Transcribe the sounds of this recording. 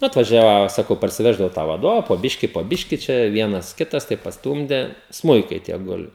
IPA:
ˈnʊ ɐtʋɐˈʒʲæːʋoː ˈsɑːkɐʊ pɐrʲsʲɪˈʋʲæːʒdɐʋɐʊ tɑː ʋɐˈdoːʋɐ poː ˈbʲɪʃʲkʲɪ poː ˈbʲɪʃʲkʲɪ t͡ʃʲɛ ˈʋʲiɛnɐs ˈkʲɪtɐs tɐɪp pɐsˈtuːmʲdʲɛ ˈsmʊɪkɐɪ tʲiɛ ˈɡʊlʲɪ

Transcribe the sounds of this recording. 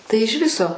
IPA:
ˈtɐɪ ɪʃ ˈʋʲɪsoː

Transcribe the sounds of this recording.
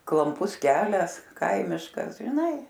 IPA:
klˠɐmˈpʊs ˈkʲæːlʲɛs ˈkɐɪmʲɪʃkɐs ʒʲɪˈnɐɪ

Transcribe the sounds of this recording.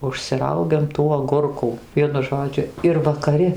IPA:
ʊʃʲsʲɪˈrɐʊɡʲɛm tuː ɐɡʊrˈkuː ˈʋʲiɛnʊ ˈʒoːd͡ʒʲʊ ɪr ʋɐkɐˈrʲɪ

